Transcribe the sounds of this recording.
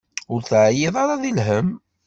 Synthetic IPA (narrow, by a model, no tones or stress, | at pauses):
ʊɾθʕjeðˤɑɾˤɑðilɦəm